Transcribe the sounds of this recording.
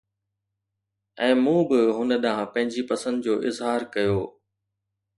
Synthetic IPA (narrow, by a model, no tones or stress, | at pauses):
ɛ̃ːmũːbɪɦʊnə̆ɗaãpɐ̃ɦɪ̃ɲd͡ʑipɐsə̃nd̪d͡ʑoːʔɪzɦaːɾkɐjoː